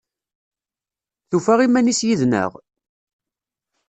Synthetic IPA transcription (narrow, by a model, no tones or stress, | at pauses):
θufæʁimænisjiðnə̰ʁ